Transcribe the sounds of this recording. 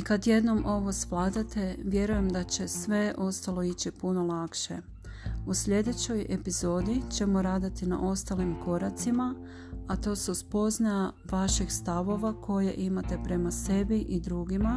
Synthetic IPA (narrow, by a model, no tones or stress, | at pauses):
ikad̪je̞d̪no̞mʔo̞ʋo̞sʋlaːd̪at̪e̞ʋje̞ɾuje̞md̪at͡ɕe̞sʋe̞ʔo̞st̪alo̞it͡ɕipuno̞lˠakʃe̞̰ | usʎʲe̞d̪e̞t͡ɕo̞je̞pizo̞ːd̪it͡ɕe̞mo̞ɾaːd̪at̪ina̰ʔo̞st̪alimko̞ɾat̪sima | at̪o̞ːsuspo̞znaja | ʋaʃixst̪aʋo̞ʋakʰo̞je̞̰ʔimat̪e̞pɾe̞mase̞biʔid̪ɾuːɡima